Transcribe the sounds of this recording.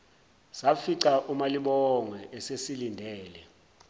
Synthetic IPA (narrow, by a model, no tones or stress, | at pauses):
safiǀaʔumaliɓɔŋwɛʔɛsesilindʱɛːlɛ